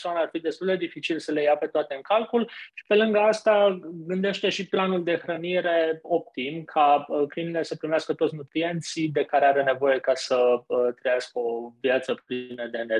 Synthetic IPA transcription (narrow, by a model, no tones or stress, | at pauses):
soanaarfid̪e̞st̪uld̪e̞d̪ifit͡ʃilsəle̞jape̞t̪oat̪e̞ɨŋkalkulʃi̥pe̞lɨŋɡəast̪aɡɨnd̪e̞ʃt̪e̞ʃiplanuld̪e̞xɾəniɾe̞o̞p̚t̪imkʰaəkɾinile̞səpɾimeaskət̪osnut̪ɾie̞nt̪sid̪e̞kaɾeaɾe̞ne̞vo̞je̞kasəət̪ɾəjaskəo̞vjat̪səpnəd̪e̞ne